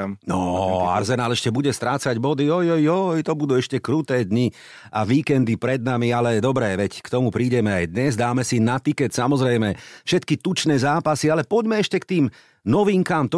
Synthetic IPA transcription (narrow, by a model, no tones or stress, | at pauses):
nɔa̰ɾzɛnaːlɛʃcɛbuɟɛst̪ɾaːt͡saɟbɔd̪iɔjɔjɔjt̪ɔbud̪uːɛʃcɛkɾut̪ɛːd̪ɲi | aʋiːkɛnd̪ipɾɛd̪̚namialɛd̪ɔbɾɛːʋɛckt̪ɔmupɾiːɟɛmɛajd̪ɲɛzd̪aːmɛsinat̪ikɛt̪samɔzɾɛjmɛfʃɛt̪kit̪ut͡ʃnɛːzaːpasialɛpɔɟmɛɛʃcɛkt̪iːm | nɔʋiŋkaːmt̪ɔ